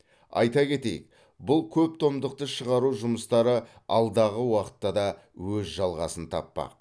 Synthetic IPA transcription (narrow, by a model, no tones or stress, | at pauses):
ɑ̰jt̪ɑkʲe̞t̪e̞̰jɪ̰k̚ | bʊlˠkʲʰɵp̚t̪ʰo̞md̪əq̚t̪əʃəʁɑɾuʒʊməst̪ɑɾəɑlˠd̪ɑʁəwɑqə̥t̪ːɑd̪ɑ | wɵzʒɑlˠʁɑsənt̪ʰɑ̰pːɑ̰q